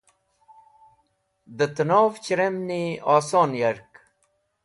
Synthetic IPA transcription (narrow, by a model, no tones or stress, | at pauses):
d̪ət̪ənoːft͡ɕɾemniaːsoːnjaɾk